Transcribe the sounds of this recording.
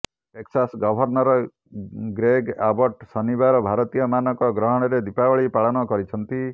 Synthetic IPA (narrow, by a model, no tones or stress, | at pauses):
ʈeksasɡɔbʱɔɾnɔɾɔ | ɡɾeɡabɔʈsɔnibaɾɔbʱaɾɔt̪ijɔmanɔkɔɡɾɔɦɔɽ̃ɔɾed̪ipawɔɭipaɭɔnɔkɔɾit͡ʃʰɔnt̪i